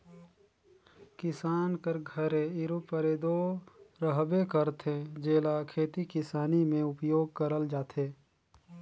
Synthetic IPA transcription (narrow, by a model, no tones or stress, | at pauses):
kɪsaːnkəɾɡʱəɾeɪɾupəɾeːd̪oɾəɦbekəɾt̪ʰẽd͡ʒeːlakʰeːt̪ikɪsaːnimẽʊpjoːɡ̚kəɾəld͡ʒaːt̪ʰeː